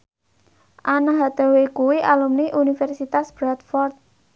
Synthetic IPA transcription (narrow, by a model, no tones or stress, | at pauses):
ʔanaɦad̪̥a̤wekuwiʔalumniʔunifɛrsit̪asb̥ɾat̪̚fɔrt̪̚